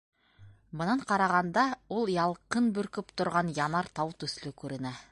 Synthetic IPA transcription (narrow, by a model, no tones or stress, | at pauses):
mɤ̆nɑɴqɑɾɑʁɑnd̪ɑulˠjɑlˠqɤnbɵ̆ɾkɵpt̪ŏɾʁɑnjɑnɑɾt̪ɑwt̪ɵ̆slɘkʉɾɘ̆næ